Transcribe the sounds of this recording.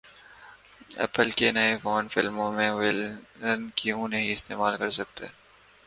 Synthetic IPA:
ɛ̰pəlkenɐefoːnfɪlmõmẽʋɪlənkiũnɐɦĩɪst̪eːmaːlkɐɾsɐk̚t̪ḛː

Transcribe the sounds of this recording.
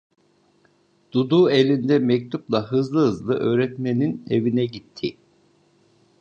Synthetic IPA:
d̪̥ud̪uːe̞lʲind̪ɛmɛc̚t̪ʰuplˠaɦɯzlˠɯɦɯzlˠɯʔø̞ːɾɛt̪me̞ninevinɛɟit̪ʰːi

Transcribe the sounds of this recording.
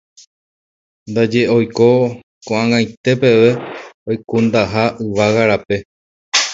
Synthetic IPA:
nd̪ad͡ʒe̞o̞jko̞ | kõʔãŋãj̃t̪e̞pe̞ʋe̞ojkõnd̪aɦaʔɨʋaɣaɾape̞

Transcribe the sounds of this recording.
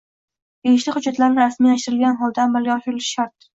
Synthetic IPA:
beɡʲɪʃlɪhʊd͡ʒːat̪laɾnɪɾasmij̪aʃt̪ɪɾɪlɡʲanɦɒlˠd̪aːmːalɡʲaɒʃɪɾɪlɪʃʃaɾt̪̚

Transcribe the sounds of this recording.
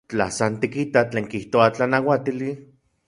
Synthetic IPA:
t͡ɬa̰sant̪ikit̪at͡ɬeːŋkiht̪oat͡ɬanawat̪ili

